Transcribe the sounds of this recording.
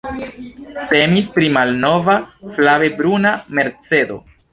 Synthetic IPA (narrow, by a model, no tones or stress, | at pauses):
te̞mispɾimalno̞vaflave̞bɾuname̞ɾt͡se̞do̞̰